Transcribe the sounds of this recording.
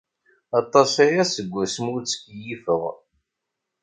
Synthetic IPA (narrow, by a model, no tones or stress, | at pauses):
ɑt̪ˤːɑsæjæsəɡʷːæsəmʊɾt͡sə̥kːjifəʁ